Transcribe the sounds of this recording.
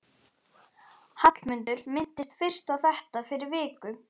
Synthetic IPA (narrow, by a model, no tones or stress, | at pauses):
hat̪lmʏnt̪ʏɾmɪnt̪ɪst̪fɪr̥st̪awθɛht̪afɪɾɪɾvɪːkʏ